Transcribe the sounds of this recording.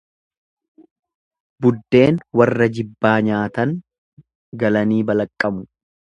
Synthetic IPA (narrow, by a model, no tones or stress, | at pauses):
bʊd̪ːe̞ːnwɐrːɐd͡ʒɪbːaːɲaːt̪ɐŋ | ɡɐlɐniːbɐlɐkʼːɐmʊ